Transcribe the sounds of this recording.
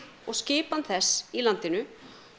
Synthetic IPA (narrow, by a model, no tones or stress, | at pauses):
ɔɣscɪːpanθɛsːilant̪ɪnʏ